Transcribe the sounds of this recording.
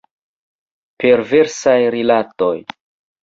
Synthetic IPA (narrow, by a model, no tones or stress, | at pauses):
pe̞ɾve̞ɾsajɾilato̞j